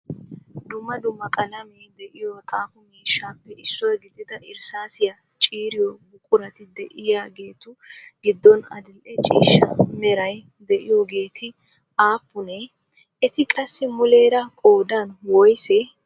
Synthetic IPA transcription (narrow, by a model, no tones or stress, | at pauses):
d̪ʊmːɐd̪ʊmːɐkʼɐlɐmeːd̪ɛʔɪjot̪ʼaːfʊmiːʃːaːpːɛɪsːɔjɡɪd̪ɪd̪ɐʔɪɾsaːsɪjɐ | t͡ʃʼiːɾɪjɔbʊkʼʊɾɐt̪ɪd̪ɛʔɪjaːɡe̞ːt̪ʊɡ̥ɪd̪ːɔnɐ̰d̪ɪlʔɛt͡ʃʼḭːʃːɐmɛɾɐj | d̪ɛʔɪjoːɡe̞ːt̪ʰɪ | aːpːʊnɛ | ɛt̪ɪkʼɐsːɪmʊleːɾɐkʼo̞ːd̪aːnwɔjsɛ